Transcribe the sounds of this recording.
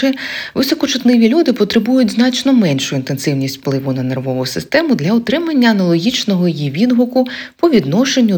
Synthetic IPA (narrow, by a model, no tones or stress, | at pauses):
ɛʋɪsɔkɔt͡ʃʊt̪nɪʋʲilʲud̪ɪpɔt̪ɾɪbujʊtʲznɑt͡ʃnɔmɛnʲʃʊint̪e̞nsɪwnʲisʲtʲfplˠɪʋʊnɐnerʋɔʋʊsɪst̪ɛmʊd̪lʲɐʊt̪ɾɪmɐnʲːɐːnɐlˠɔɦʲit͡ʃnɔɦɔjijiʋʲid̪ɦʊkʊpɔʋʲid̪nɔʃenʲːʊ